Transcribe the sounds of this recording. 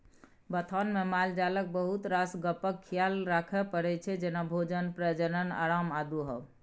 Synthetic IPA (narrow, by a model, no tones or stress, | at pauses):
bət̪ʰanmemald͡ʒalək̚bəɦut̪ɾasɡəpəkʰːijalɾakʰɛpəɾɛt͡ʃʰɛd͡ʒenabʱod͡ʒənpɾəd͡ʒənəna̰ɾamad̪uɦəb